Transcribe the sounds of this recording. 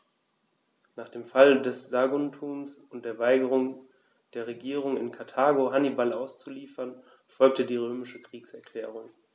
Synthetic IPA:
naːχd̥eːmfaldɛsz̥aɡuntʰuːmsʊnt̚d̥eːɐvaɪɡəʁ̞ʊŋ | d̥eːɐʁ̞eɡiːʁʊŋɪ̰nkʰaɐtʰaːɡoɦanibalaʊst͡suliːfɐn | fɔlk̚tədiːʁ̞øːmɪʃəkʁ̥iːksɛɐkʰl̥ɛːʁ̞ʊŋ

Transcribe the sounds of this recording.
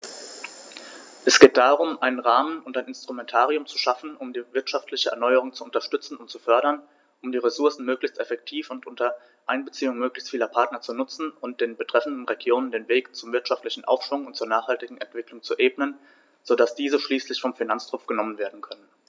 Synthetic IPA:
ʔɛsɡ̥eːt̚d̥aːʁʊmʔaɪnənʁaːmənʊntaɪnɪnstʁ̥umɛntʰaːʁiʊmt͡su̥ʃafn̩ʊmdiːvɪɐtʃaftʰlɪçəʔɛ̰ɐnɔʏəʁʊŋt͡suʊntɐʃtʏt͡sn̩ʊntt͡sufœɐɾɐn | ʔʊmdiːʁesʊɐsn̩møːklɪçstɛfɛk̚tʰiːfʊntʔʊntɐ | ʔaɪnbət͡siːʊŋmøːklɪçstfiːlɐpʰaɐtnɐt͡sunʊt͡sn̩ʊnt̚d̥eːnbətʁ̥ɛfn̩dn̩ʁeɡjoːnəndeːnveːkt͡sʊmvɪɐtʃaftlɪçn̩ʔa̰ʊfʃv̥ʊŋʊntt͡suːɐnaːχhaltɪɡŋ̩ɛntv̥ɪklʊŋt͡suʔeːbnən | z̥odasd̥iːzəʃliːslɪçfɔmfinant͡stʁ̥ʊpp͡fɡ̥ənɔmənveːɐdn̩kʰœnən

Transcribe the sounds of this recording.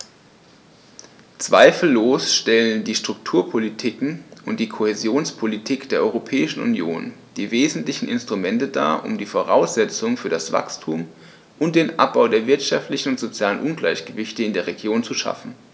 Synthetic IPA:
t͡sv̥a̰ɪfl̩ːoːsʃtɛləndiːʃtʁ̥ʊk̚tʰuːɐpʰolitʰɪkŋ̩ʔʊntd̥iːkʰohezjoːnspʰolitʰiːkd̥eːɐʔɔʏʁopʰɛːɪʃn̩ṵnjo̰ːnd̥iːveːzn̩tlɪçn̩ɪnstʁ̥umɛntəda̰ːʔʊ̰mdiːfoʁ̞aʊsz̥ɛt͡sʊŋfyːɐɾasv̥a̰kstʰuːm | ʔʊnt̚d̥eːnʔa̰p̚b̥aʊdeːɐvɪɐtʃaftlɪçn̩ʊntz̥ot͡sjaːlənʔʊnɡlaɪçɡ̥əvɪçtəɪndeːɐʁeɡjoːnt͡suʃa̰fn̩

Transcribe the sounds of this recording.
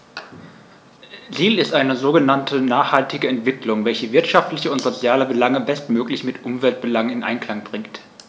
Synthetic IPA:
ziːlɪstʔaɪnəzoːɡənantʰənaːχhaltɪɡəɛntv̥ɪklʊŋvɛlçəvɪɐtʃaftlɪçəʊntz̥ot͡sjaːləbəlaŋəbɛstmøːklɪçmɪtʔʊmvɛlt̚b̥əlaŋɪnʔa̰ɪnkl̥aŋbʁɪŋkt

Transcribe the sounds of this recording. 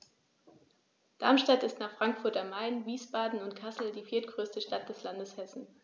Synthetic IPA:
d̥aɐmʃtatɪstnaːχfʁ̥aŋkfʊɐtamːaɪnviːsb̥aːdn̩ʊntkʰasl̩diːfiːɐtɡ̥ʁøːstəʃtat̚d̥ɛslandəshɛsn̩

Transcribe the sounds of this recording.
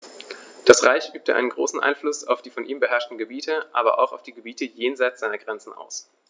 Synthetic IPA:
d̥asʁaɪçʔyːp̚tʰəʔa̰ɪnənɡʁo̰ːsn̩ʔa̰ɪnflʊsa̰ʊfd̥iːfɔnʔiːmbəɦɛɐʃtn̩ɡəbiːtʰəʔa̰ːbɐ̰ʔa̰ʊxaʊfd̥iːɡəbiːtəjeːnzaɪt͡sz̥aɪnɐɡʁɛnt͡sn̩a̰ʊs

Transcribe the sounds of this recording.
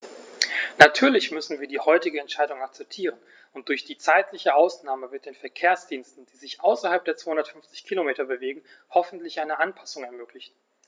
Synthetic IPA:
natʰyːɐlɪçmʏsn̩viːɐdiːhɔʏtɪɡəɛntʃaɪdʊŋak̚t͡sɛp̚tʰiːʁən | ʊnt̚d̥ʊɐçd̥iːt͡saɪtʰlɪçəʔaʊsnaːməvɪɐt̚d̥eːnfɛɐkʰeːɐsd̥iːnstn̩d̥iːzɪçʔaʊsɐhalp̚d̥eːɐt͡sv̥aːhʊndɐtfʏnft͡sɪ̥çkʰilomeːtɐbəveːɡŋ̩ | hɔfn̩tlɪçʔaɪnəʔanpʰḁsʊŋɛɐmøːklɪçn̩

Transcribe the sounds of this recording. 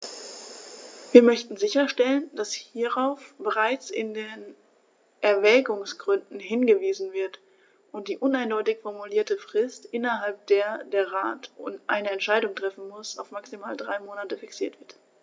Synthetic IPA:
viːɐmœçtn̩zɪçɐʃtɛlənd̥ashiːʁaʊfb̥əʁaɪt͡sɪndeːn | ʔɛɐvɛːɡʊŋsɡ̥ʁʏndn̩ɦɪnɡəviːzn̩vɪɐt | ʔʊnt̚d̥iːʔʊnaɪndɔʏtɪçfɔɐmuliːɐtəfʁ̥ɪstʔɪnɐɦalp̚d̥eːɐdeːɐʁaːtʊnʔa̰ɪnɐɛntʃaɪdʊŋtʁ̥ɛfn̩mʊsaʊfmaksimaːldʁaɪmoːnatəfɪksiːɐtv̥ɪɐt

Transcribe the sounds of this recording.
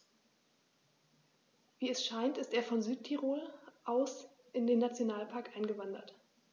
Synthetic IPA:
viːɛsʃaɪntɪsteːɐfɔnzyːt̚tʰiʁoːlʔaʊs | ʔɪndeːnat͡sjonaːlpʰaɐkʔaɪnɡəvandɐ̰t

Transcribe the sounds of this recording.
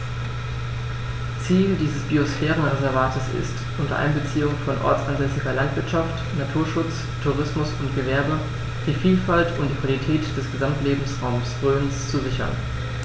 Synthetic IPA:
t͡siːldiːzəsb̥iosfɛːʁ̞ənʁezɛɐvaːtəsɪ̰st | ʔʊntɐ̰ʔa̰ɪnbət͡siːʊŋfɔnʔɔ̰ɐt͡sanzɛsɪɡɐlantv̥ɪɐtʃaft | natʰuːɐʃʊt͡s | tʰuʁ̞ɪsmʊsʊntɡ̥əvɛɐbə | d̥iːfiːlfaltʰʊntd̥iːkv̥alitʰɛːtd̥ɛsɡ̥əzamtleːbm̩sʁaʊmsb̥ʁøːənst͡suzɪçɐ̰n

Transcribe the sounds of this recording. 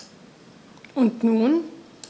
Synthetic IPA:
ʔʊntnuːn

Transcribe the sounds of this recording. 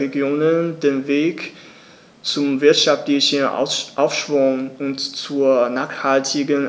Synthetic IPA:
eɡjoːnəndeːnveːk | t͡sʊmvɪɐtʃaftlɪçən̰ʔaʊfʃv̥ʊŋʊntt͡suːɐnaːχhaltʰɪɡən

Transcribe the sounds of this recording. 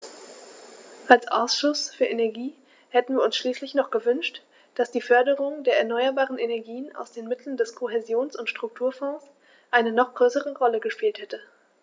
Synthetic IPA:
ʔalsʔa̰ʊsʃʊsfyːɐʔenɛɐɡiː | hɛtn̩viːɐʊnsʃliːslɪçnɔχɡ̥əvʏnʃt | d̥asd̥iːfœɐdəʁʊŋdeːɐɛɐnɔʏɐbaːʁənʔenɛɐɡiːəna̰ʊsd̥eːnmɪtʰl̩n̩dɛskʰoɦezjoːnsʊntʃtʁ̥ʊk̚tʰuːɐfɔ̃ːs | ʔaɪnənɔχɡ̥ʁøːsəʁəʁɔləɡəʃpiːlthɛtə

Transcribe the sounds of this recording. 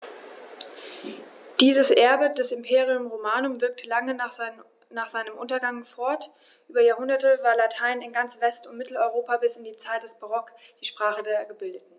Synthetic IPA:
d̥iːzəsʔɛɐbədɛsɪmpʰeːʁiʊmʁomaːnʊmvɪɐk̚tʰəlaŋə | naːχz̥aɪnəmʔʊntɐɡaŋfɔɐt | ʔyːbɐjaːɐhʊndɐtəvaːɐlatʰaɪnɪnɡant͡sv̥ɛstʊntmɪtl̩ɔʏʁ̞oːpabɪsɪndiːt͡saɪt̚d̥ɛsb̥aʁ̞ɔkd̥iːʃpʁ̥aːχədeːɐɡəbɪldətn̩

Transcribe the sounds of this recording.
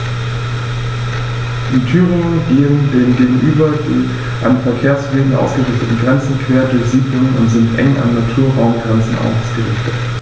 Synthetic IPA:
d̥iːtʰyːʁɪŋənɡeːəndeːŋɡeːɡŋ̩ʔyːbɐdḭ | ʔa̰nfɛɐkʰeːɐsv̥eːənʔa̰ʊsɡ̥əʁɪçtətn̩ɡʁɛnt͡sn̩kv̥eːɐdʊɐçz̥iːblʊŋənʊ̰ntz̥ɪntʔɛ̰ŋʔa̰nːatʰuːɐʁaʊmɡʁɛnt͡sn̩ʔa̰ʊfsɡ̥əlɪ̰ːçtət

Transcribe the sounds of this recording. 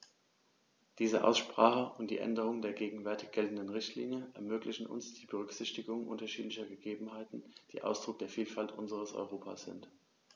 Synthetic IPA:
d̥iːzəʔa̰ʊsʃpʁ̥aːχəʔʊnt̚d̥ḭːʔɛ̰ndəʁ̞ʊŋdeːɐɡeːɡŋ̩vɛɐtɪçɡ̥ɛltn̩dənʁɪçtʰlḭːnjəʔɛɐmøːklɪçn̩ʊ̰nsd̥iːbəʁ̞ʏkz̥ɪçtɪɡʊŋʔʊ̰ntɐʃiːtlɪçɐɡəɡeːbm̩ɦaɪtn̩d̥ḭːʔaʊsd̥ʁʊk̚d̥eːɐfiːlfaltʔʊnzəʁ̞əsʔɔ̰ʏʁ̞oːpʰa̰ːsz̥ɪ̰nt

